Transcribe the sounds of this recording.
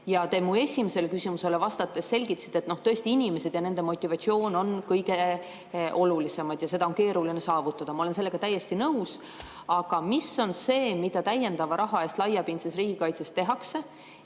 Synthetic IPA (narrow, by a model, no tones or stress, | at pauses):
jɑt̪e̞mue̞sʲimese̞lkysʲimuse̞le̞vɑst̪ɑt̪ːˑesːe̞lʲɡ̥it̪ɑsi̥t̪ːet̪no̞ht̪ø̞ːst̪iinʲimese̞d̪jɑne̞nd̪̥e̞mo̞t̪ʲːˑivɑt̪sio̞ːno̞nkɤjɡe | ʔo̞lulise̞mɑd̪̥jɑse̞d̪ɑonke̞ːɾulinesɑːvut̪ːˑɑd̪̥ɑmɑolenselːe̞ɡ̥ɑt̪æjːe̞st̪inɤuws | ɑɡ̥ɑmisːo̞nse̞ːmid̪̥ɑt̪æje̞nd̪̥ɑvɑɾʔɑɦɑe̞ːst̪lɑjɑpinsesriːɡ̥ikɑjt̪sest̪ːe̞ɦɑkse̞